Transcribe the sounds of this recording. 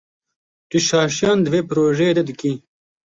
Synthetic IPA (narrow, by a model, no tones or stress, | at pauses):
t̪uɕaːɕjand̪ʋeːpɾoːʒed̪ɐd̪iki